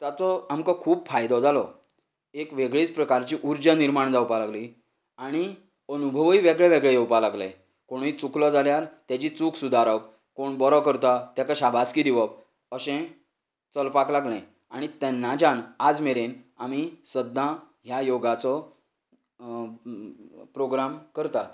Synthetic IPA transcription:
t̪jat͡sɔamkɔkʰuːbfajd̪ɔd͡zalɔ | ekʋeɡɭit͡spɾəkaɾt͡ɕiʔuɾd͡ʑaniɾmaɳd͡zawpalaɡli | aɽ̃i | ənubʱəʋiʋeɡɭeʋeɡɭejewpalaɡlɛ̰̃ | koɽ̃it͡suklɔd͡zaljaɾt̪jat͡ɕit͡sukʰsud̪ʱaɾəp̚ | koɳbɔɾɔkəɾt̪at̪jakaɕabʱaskid̪iʋəp̚ | əɕɛ̃ | t͡səlpaklaɡlɛ̃ | aɽ̃it̪ɛnːad͡ʑanad͡zmeɾenamisəd̪ːã | ɦjajoɡat͡sɔ | pɾoɡɾamkəɾt̪at̪

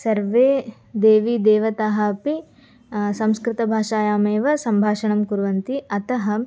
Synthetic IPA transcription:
sɐɾʋeː | d̪eːʋid̪eːʋɐt̪aːɦɐpi | sɐ̃mskɾɪt̪ɐbʱaːʂaːjaːmeːʋɐsɐmbʱaːʂɐɳɐmkuɾʋɐnt̪iɐt̪ɐɦɐ

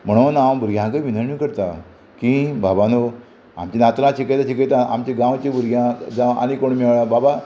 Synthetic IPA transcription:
m̤əɽ̃onawbuɾɡʱjãɡəʋinəɾɳjukəɾt̪a | kĩbabano | a̰mt͡ɕinat̪nãɕikəjt̪ãɕikəjt̪aa̰mt͡ɕeɡãwt͡ɕebuɾɡʱjãd͡zaa̰ñikoɳmeʋɭababa

